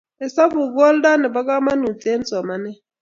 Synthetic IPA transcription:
ɪ˨sa˦bu˨kɔ˦lda˦nɪ˨ba˦ka˦ma˦nu˨t͡sʼe˦n˦t͡sɔ˨ma˨nɛ˦

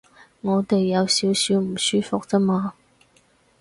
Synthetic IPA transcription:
ŋɔː˨˧t̪e˨jːɐ˨˧wsiː˨˥wsiː˨˥wm̩˨˩syː˥fʊ˨k̚t͡sɐ˥maː˧

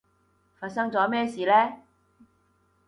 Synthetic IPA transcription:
faː˧t̚sɐ˥ŋt͡sɔː˨˥mɛː˥siː˨lɛː˥

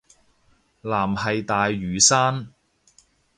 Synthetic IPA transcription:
laː˨˩mhɐ˨jt̪aː˨jːyː˨saː˥n

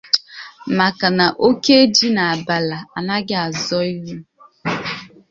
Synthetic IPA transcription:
ma˨ka˨na˨ʔo˦ke˦e˦d͡ʒi˦na˨a˨ba˨la˨a˨na˦ɡɪ˦a˨zɔ˦i˦ɦu˦

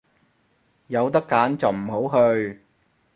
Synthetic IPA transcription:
jɐ˨˧wt̪ɐ˥kːaː˨˥nt͡sɐ˨wm̩˨˩ɦo˨˥wɦɵ˧ɥ

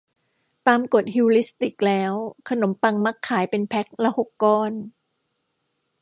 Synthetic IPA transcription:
t̪aː˧mko˨˩t̪̚hi˧wli˦˥st̪i˨˩k̚lɛː˦˥wkʰa˧no˩˦mpa˧ŋma˦˥kʰːaː˩˦jpe˧npʰɛ˦˥k̚lɛ˦˥who˨˩kːɔː˥˩n

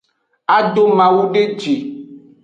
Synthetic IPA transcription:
a˦ɖo˦mã˨wu˦ɖe˦d͡ʒi˨

